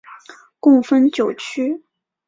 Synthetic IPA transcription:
kʊ˥˩ŋfə˥nt͡ɕjo˨˩ʊt͡ɕʰy˥

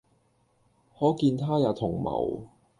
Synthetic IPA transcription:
hɔː˨˥kiː˧nt̪ʰaː˥jaː˨˧˩t̪ʰʊ˨˩ŋmɐ̰˨˩w

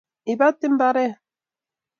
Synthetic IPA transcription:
i˨ba˦tɪ˦m̩˦ba˦ɾɛ˦

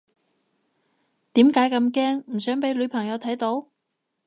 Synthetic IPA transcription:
t̪iː˨˥mkaː˨˥jkɐ˧mkɛː˥ŋm̩˨˩sœː˨˥ŋpe˨˥jlɵ˨˧pʰɐ˨˩ŋjɐ˨˧wt̪ʰɐ˨˥jt̪o˨˥w

